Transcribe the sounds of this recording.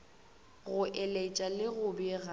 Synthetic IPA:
ɣʊʔɛlet͡ʃʼalɪɣʊbiɣa

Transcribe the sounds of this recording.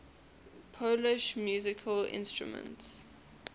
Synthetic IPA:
pʰolɪʃmjuːzɪkʰəlɪ̰̃nstɹṵmə̰̃nts

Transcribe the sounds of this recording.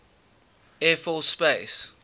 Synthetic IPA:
ɛfɔspes

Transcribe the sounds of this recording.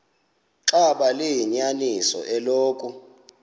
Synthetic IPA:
ǁaɓalejiɲanisɔ̰ʔɛloːkʼu

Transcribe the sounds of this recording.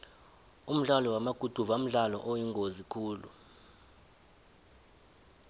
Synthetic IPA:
um̩ɮalɔwamaɡ̥ʱud̥ʱuvam̩ɮalɔ̰ʔojiŋɡʱozikʰuːlṵ

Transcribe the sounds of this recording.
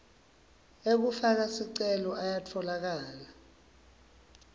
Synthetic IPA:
ek̬ufak̬asiǀɛlɔʔajatʰɔlak̬aːla

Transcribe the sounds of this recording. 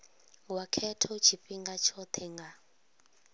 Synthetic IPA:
wakʰɛtʰɔt͡ʃʰipʼiŋɡat͡ʃʰɔt̪ʰɛŋɡa

